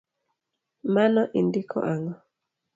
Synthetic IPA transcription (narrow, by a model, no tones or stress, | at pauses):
manɔʔindikʰɔ̰ʔaŋɔ